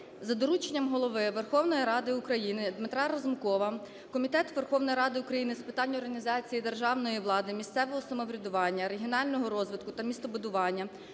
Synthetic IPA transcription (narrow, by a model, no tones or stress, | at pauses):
zɐd̪ɔɾut͡ʃenʲːɐmɦɔlˠɔʋɪʋerxɔwnɔjiɾɑd̪ɪukɾɐjinɪd̪mɪt̪ɾɑɾɐzmkɔʋɐ | kɔmʲit̪ɛt̪ʋerxɔwnɔjɾɑd̪ɪʊkɾɐjinɪspɪt̪ɑnʲːɔrɦɐnʲizɑt͡sʲijid̪erʒɑʋnɔjiʋlˠɑd̪ɪmʲist̪sɛʋɔɦɔsɐmɔʋɾʲɐd̪ʊʋɑnʲːɐɾeɦʲiɔnɑlʲnɔɦɔɾɔzʋɪt̪̚kʊt̪ɐmʲist̪ɔbʊd̪ʊʋɑnʲːɐ